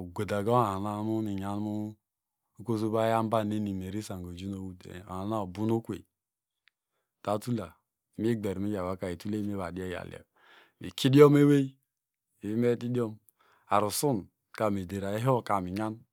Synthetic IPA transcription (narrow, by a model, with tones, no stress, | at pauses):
ɡʷo˨da˨ɡo˦a˨na˦mu˦ni˨ɲa˦n˦u˦ | ko˦zu˦ba˦ja˦m˦ba˦˨ne˦ni˨me˨ɾi˦sa˨ŋ˨o˨d͡ʒu˦no˨wu˦tḛ˨a˨na˦o˨bu˦no˦kʷḛ˨ | ta˨˦tu˦la˨˦ | m˦e˦ɡ͡be˨ɾmi˦ja˨wa˨˦ka˨e˨tu˦le˦m˦e˦βa˨di˦a˦ja̰˨lḭ˨a̰˨ | me˨ki˦di˦o˦m˦e˦we˦i˦ | e˨i˦me˦ti˦di˦o˦m | a˨ɾu˨su˦n | ka˨me˨de˨ɾa˨e˦ɦo˦ka˨mi˨ɲa˦n